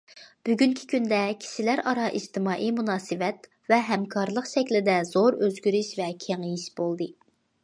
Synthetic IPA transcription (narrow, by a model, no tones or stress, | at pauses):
b̥yɡʲynkʲʰi̥kʲynd̪ɛkʲʰi̥ʃilæɾɑɾɑʔid͡ʒt̪ɪmɑːʔimunɑːsɨvɛt̪ | vɛɦɛmkʰɑɾlˠəqʃɛkʲlɪd̪ɛzoɾøzɡʲyɾyʃvɛkʲʰeŋijiʃb̥olˠd̪ɨ